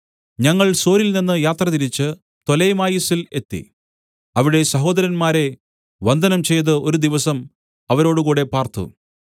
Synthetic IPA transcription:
ɲɐŋːɐɭso̞ːɾilninːɨjaːt̪rɐt̪iɾit͡ɕːɨ | t̪o̞lɐjmaːjisile̞̰t̪ːḭ | ɐʋiɽe̞sɐɦo̞ːd̪ɐɾɐnmaːɾe̞ | ʋɐnd̪ʱɐnɐmt͡ɕe̞jt̪̬ɨo̞ɾud̪iʋɐsɐm | ɐʋɐɾo̞ːɽukuːɽe̞paːrt̪ṵ

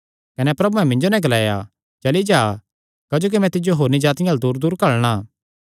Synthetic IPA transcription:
kɐnɛpɾɐbuɛ̃mɪ̃ɲd͡ʒonɛ̃ɡɐlaːja̰ | t͡ʃɐlid͡ʒaː | kɐd͡ʒoːk̬imɛ̃t̪ɪd͡ʒjoɦoːɾnid͡ʒaːt̪ɪjaːld̪uːɾd̪uːɾkɐɭɽ̃aː

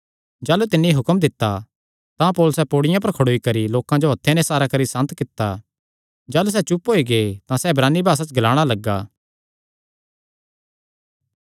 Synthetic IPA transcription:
d͡ʒaːlut̪ɪnːiɦʊkəmd̪ɪt̪ːa | t̪ãpoːlʊsɛpoːɽɪjãp̬ɐɾkʰɐɽoːikɐɾiloːkãd͡ʒoɦɐt̪ʰːenẽsaːɾakɐɾisɐ̃nt̪kɪt̪ːa | d͡ʒaːlus̬ɛt͡ʃʊpɦoːiɡeːt̪ãsɛbɾaːnːibʱaːs̬at͡ʃɡɐlaːɽ̃alɐɡːaː

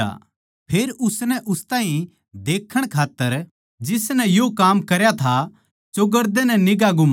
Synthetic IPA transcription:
a̰ | pʰeːɾʊsnɛʔʊst̪ãːĩ | d̪eːkʰːəɽ̃kʰaːt̪ːəɾ | d͡ʒɪsnɛ̃jokaːmkɐɾjat̪ʰa | d͡ʒoɡɐɾd̪enɛnɪɡaɡʊm

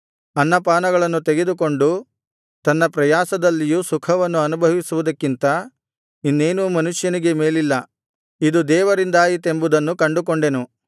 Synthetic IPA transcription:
ɐnːɐpaːnɐɡɐɭɐnːut̪eɡe̞d̪uk̬o̞ɳɖu | t̪ɐnːɐpɾɐjaːsɐd̪ɐlːijuːsukʰɐʋɐnːuɐnubʱɐʋisuʋud̪ɐkːint̪ɐ | inːe̞ːnuːmɐnuʂjɐniɡe̞me̞ːlilːɐ | id̪ud̪ɛːʋɐɾind̪aːjit̪e̞mbud̪ɐnːukɐɳɖuk̬oɳɖe̞nu

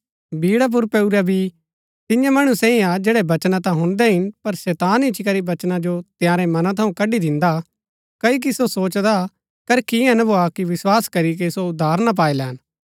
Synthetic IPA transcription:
biːɽap̬ʊɾpɛuɾabʱi | t̪ɪ̃jãmɐɽ̃usɛ̃ĩad͡ʒɛːɽɛbɐt͡ʃnãt̪̬ãɦʊ̃nd̪ɛɦɪnpɐɾsɛːt̪aːnɪt͡ʃikɐɾibɐt͡ʃnãd͡ʒot̪ɪjãːɾɛmɐnãt̪ʰɐũkɐɖid̪ɪ̃nd̪a | kɐik̬isosoːt͡ʃd̪a | kɐɾkiɛ̃nɐbʱoakiʋɪswaːskɐɾik̬esoʊd̪ʱːaːɾnap̬aːilɛɦɐn

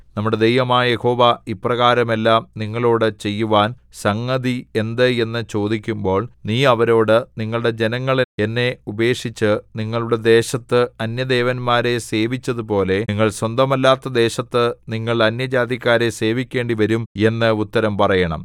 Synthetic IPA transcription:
nɐmːuɽe̞d̪ejʋɐmaːjeho̞ːʋaiprɐɣaːɾɐme̞lːaːmniŋːɐɭo̞ːɽɨt͡ɕe̞jːuʋaːn | sɐŋːɐðie̞nd̪ɨe̞nːɨt͡ɕo̞ːd̪ikʲːumbo̞ːɭniːɐʋɐɾo̞ːɽɨniŋːɐɭɽe̞d͡ʑe̞nɐŋːɐɭe̞nːe̞ube̞ːkʂit͡ɕːɨniŋːɐɭuɽe̞d̪e̞ːɕɐt̪ːɨɐnjɐd̪e̞ːʋɐnmaːɾe̞se̞ːʋit͡ɕːɐðupo̞ːle̞iŋːɐɭswɐnd̪ɐmɐlːaːt̪ːɐd̪e̞ːɕɐt̪ːɨniŋːɐɭɐnjɐd͡ʑaːd̪jɐkʲːaːɾe̞se̞ːʋikʲːe̞ːɳɖiʋɐɾume̞nːɨut̪ːɐɾɐmpɐrɐjɐɳɐ̰m

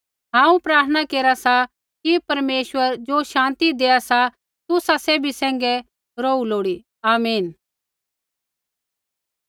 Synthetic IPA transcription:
ɦãːũpɾaːɾt̪ʰənakeːɾasa | kipɐɾmeːʃwəɾd͡ʒoːʃãːnt̪id̪eːasa | t̪ʊsaseːbʱisɛ̃ːŋɡɛ | ɾoːuloːɽi | aːmiːn

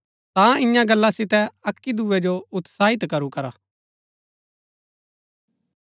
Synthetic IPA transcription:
t̪ãɪjãɡɐlːasɪt̪ɛɐkːid̪uːɛd͡ʒoʊt̪saːɪt̪kɐɾukɐɾaː

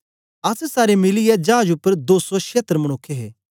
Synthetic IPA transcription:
ɐssaːɾemɪlɪjɛd͡ʒɐaːd͡ʒʊpːəɾd̪oːsoʃeːt̪ɾəmɐɽ̃ʊkʰːeɦeː

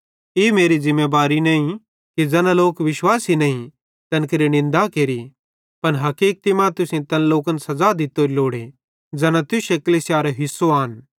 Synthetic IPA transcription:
emeːɾizɪ̃mːeːbaːɾinɐ̃ːĩ | kid͡zɛːnaloːkʋɪʃwaːsinɐ̃ĩ | t̪ɐnkeɾinɪ̃nd̪akeːɾi | pɐnɦɐkiːk̚t̪imãːt̪ʊsẽt̪ɐnloːkənsɐzad̪ɪt̪ːoːɾiloːɽe | d͡ʒɛːnãt̪ʊʃekɐlisjaːɾeɦɪsoaːn

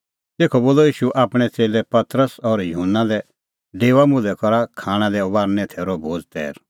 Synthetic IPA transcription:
t̪eːkʰɔboːlɔiːʃuʔaːpɽ̃ɛt͡seːlɛpɐt̪ɾəsɔːɾjʊɦʊnːalɛ | ɖeːʋamʊ̃lɛkɔɾakʰaːɽ̃alɛɔbaːɾnɛ̃t̪ʰɛːɾobʱoːd͡zt̪ɛ̰ːɾ

